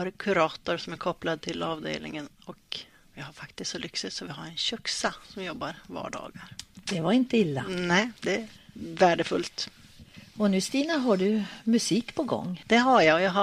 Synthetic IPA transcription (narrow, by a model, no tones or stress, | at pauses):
aɾkʰʉɾɑːt̪ʊɾsɔmæɾkʰɔplad̪̚t̪ʰɪlɑːvd̪ḛːlnɪ̰ŋənɔk | vɪhaɾfakt̪ɪst̪sɔlʏksɪt̪sɔvɪhaɾɛnɕœksasɔmjɔbːaɾvɑ̰ːɖɑ̰ːɡaɾd̪̥ɛvaɾɪnt̪əɪlːa̰nɛɪd̪ɛvæːɖəfɵlt̪ | ɔnʉ̟ːst̪iːnaɦaɖɵmɵsiːkpʰɔɡɔ̰ŋːd̪̥ɛɦajaɔjaɦa